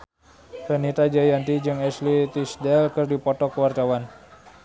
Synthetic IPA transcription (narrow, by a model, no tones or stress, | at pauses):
fənit̪ad͡ʒajant̪id͡ʒɨŋɛslit̪isdɛlkɨrdipɔt̪ɔkəwart̪awan